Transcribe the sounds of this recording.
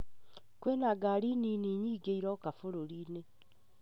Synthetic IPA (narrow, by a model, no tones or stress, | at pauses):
kwenaɡaɾininiɲiːɡeiɾɔkafoɾoɾiːne